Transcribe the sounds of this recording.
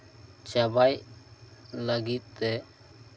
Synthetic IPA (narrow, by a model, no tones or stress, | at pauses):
t͡ʃabaj | ləɡit̪̚t̪ɛ